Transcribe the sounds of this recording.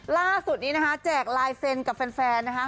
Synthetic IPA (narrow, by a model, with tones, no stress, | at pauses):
laː˥˩su˨˩t̪̚niː˦˥na˦˥kʰa˦˥t͡ɕɛː˨˩k̚laː˧jse˧nka˨˩p̚fɛː˧nfɛː˧nːa˦˥kʰ